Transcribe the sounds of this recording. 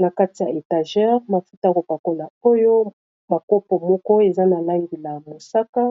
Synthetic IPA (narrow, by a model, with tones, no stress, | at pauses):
na˨ka˦ti˨ja˨e˨ta˨ʒɛ˦ʁma˨fu˦ta˦a˦ko˨pa˨ko˦la˨o˦jo˦ | ba˨ko˦pɔ˨mɔ˦kɔ˦e˨za˦na˨la˦ŋɡi˨la˨mo˨sa˦ka˦